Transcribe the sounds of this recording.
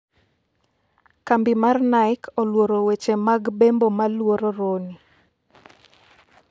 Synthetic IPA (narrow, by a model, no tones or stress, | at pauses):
kambɪmarnaɪkɔlwoɾowet͡ʃemaɡbembomalwoɾoɾoni